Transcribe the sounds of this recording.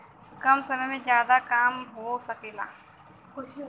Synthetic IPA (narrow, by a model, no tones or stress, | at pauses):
kɐmsɐməmẽzjaːd̪akaːmɦosɐkiːla̰ː